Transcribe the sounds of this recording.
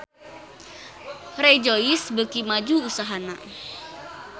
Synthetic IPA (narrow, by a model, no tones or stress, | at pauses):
red͡ʒoisbəkimad͡ʒuusaɦana̰